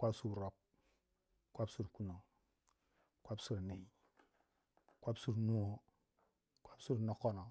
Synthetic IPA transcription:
kʷa˦psu˦ɾɾo˨p̚ | kʷa˦psu˦ɾku˦no˨ŋ | kʷa˦psu˦ɾne˨i˦ | kʷa˦psu˦ɾnu˦o˦ | kʷa˦psu˦ɾno˦ko˦no˨

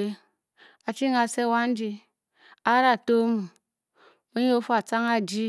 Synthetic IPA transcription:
e˦ | a˨t͡ʃi˦ŋa˨se˦˨wa˦n̩˦d͡ʒi˦ | a˦ɾa˨to˦mu˨ | o˦ɲ˦o˦fo˦a˨t͡sa˦ŋa˦˨d͡ʒi˦

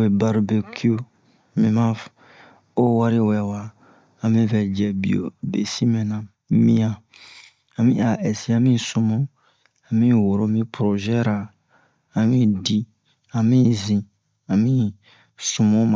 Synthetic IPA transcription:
e˨ba˨ɾu˨be˨kʰi˦o˦ | mĩ˨mã˦ | o˦wa˦ɾi˦wɛ˨wa˨ | a˨mĩ˦fɛ˨d͡ʒɛ˨bḭ˦˨o̰˨bḛ˨si˦mɛ̃˨nã˨ | mĩ˦ã˨ | a˨mĩ˦a˨ɛ˨si˦a˦mĩ˦su˨mõ˦ | ã˨mĩ˦wo˨ɾo˦mĩ˦pɾo˨ʒɛ˦ɾa˨ | a˨mĩ˦di˦ | a˨mĩ˦zĩ˨ | a˨mĩ˦ | sũ˨mõ˦ma˨

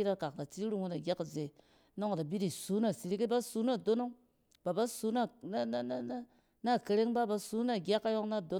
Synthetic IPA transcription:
i˦ɾa˦ka˨kta˨ti˦i˦ɾu˦ŋu˦na˨ɡʲa˦kze˨˦ | no˦ŋ˨da˨bi˦di˨su˨˦na˦˨si˨ɾi˦ki˦ba˦su˦na˦˨do˦no˦ŋ | ba˨ba˦su˦na˦n˦ | na˦˨ke˨ɾe˦ŋba˦ba˨su˦na˦˨ɡʲa˦kːa˦jo˦ŋna˦˨do˦

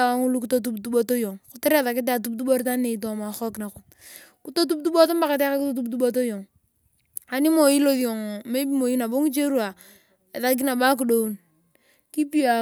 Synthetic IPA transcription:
a˨wa˦ŋu˦lu˦ku˦to˦t̬u˦btu˦bo˦to˦jo˨ŋkʊ˨˦tɪ˦ɾe˦ða˨kɪ˦t̬a˨t̬u˦b̚t̬u˦bo˦ɾta˦ne˨i˨t̬o˨ma˨xɔ˦kna˨kʊ˨ | ku˦to˦t̬u˦b̚tu˦bo˦to˦mba˨ka˨te˦ka˦ku˦to˦t̬u˦btu˦bo˦to˦jo˨ŋ | a˨ni˦mo˨ji˦lo˦ði˨o˨ŋme˦bi˦mo˨ji˦na˨bo˦ŋi˦t͡ʃe˦ɾu˦a˨ | e˨ða˦k̬i˦na˨ba˦k̬u˨do˦u˦n | ki˦pi˦a˨

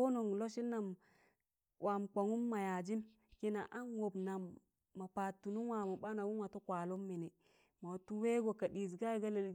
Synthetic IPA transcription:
o˦no˨ŋlo˦ʃi˦nːa˨m | wʔa˨m˨kʷa˨ŋu˦mːa˨ja˨d͡ʒi˦m | ki˦na˨ʔa˦nwo˨bna˨mː | a˨pa˨tːu˨nu˦nwa˨ma˨ɓa˦na˨wu˦nwa˨to˦kʷa˨lo˦mːi˨ni˨ | ma˨tu˦we˦ɡo˨ka˨ɗi˨s̬ɡa˦ɡa˦le˨˦

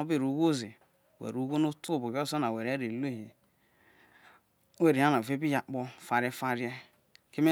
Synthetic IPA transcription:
o˦bi˦˨ɾu˨˦ɡo˦zi˨ | wḛ˨ɾu˨˦ɡo˦nu˦tu˦o˦˨bo˨ko˦so˦na˨we˨ɾe˦ɾe˨le˦hi˨˦ | we˨ɾe˨a˦na˨ve˦bi˦ja˨k͡po˦fa˨ɾe˦fa˦ɾi˦e˦ | ke˦me˦

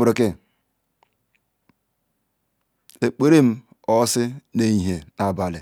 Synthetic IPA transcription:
ɾe˨kɪ˦ | e˨k͡pe˦ɾe˦m̩˦ | ɔ˦sɪ˦ne˦ɲi˨ɦe˨na˨ba˨lɪ˨

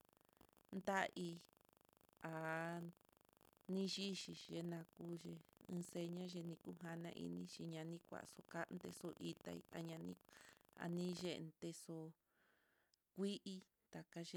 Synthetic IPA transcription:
nd̪a˦ʔi˧ | a˨ | nĩ˦ʒi˦ʃi˧ʒe˧nã˧ku˦ʒe˧ɨ̃ː˧se˧ɲã˦ʒe˧nĩ˧ku˦ɦa˧nã˧ʔḭ˧nĩ˦ʃi˧ɲã˧nĩ˦kʷa̰˨so˧ka˦ʔnd̪e˧so˧ʔi˧t̪a̰˧ḭ˧a˧ɲã˧nĩ˦a̰˨nĩ˦ʒe˦˧ʔnt̪e˧so˧ | kʷi˦ʔi˧ | t̪a˨ka˧ʒe˧

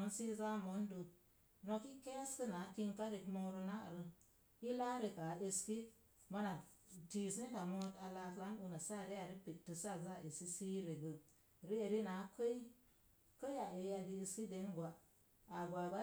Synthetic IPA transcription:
o˦n˦si˦za˦mo˨˦n˦do˨ | no˧ki˦ke˦skə˦na˨˦ki˧nka˦ɾi˨kmo˧ɾu˧na̰˦˨ɾə˨ | ji˦la˦ɾi˧ka˨e˧ski˦ | ma˦na˨ | ti˦s̬e˦ka˨mo˦ta˨la˧kla˦nu˧na˨sa˦˨ɾi˦ja˨ɾi˦pi˨tːə˨sa˦˨za˦˨e˨ski˦si˦ɾe˨ɡə˨ | ɾi˦e˨ɾi˦na˨˦kə˦i˦ | kə˦a˨e˨˦a˨ɡi˧e˧ski˦de˦nɡwa˨ | a˨ɡʷa˨ba˦

